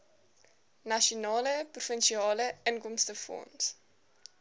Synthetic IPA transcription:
nɐʃonɑːləprufənʃiɑːləənkɔmstəfɔ̰ns

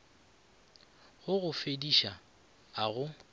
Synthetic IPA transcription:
ɣʊɣʊfediʃa | aɣʊ

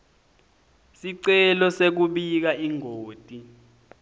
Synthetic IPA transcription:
siǀɛlɔsek̬uɓik̬aʔiŋoːtʼi

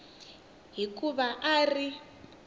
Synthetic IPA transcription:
ɦikuβaʔari

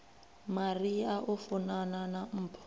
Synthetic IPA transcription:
mariaʔufunananam̩ːpʰɔ̥

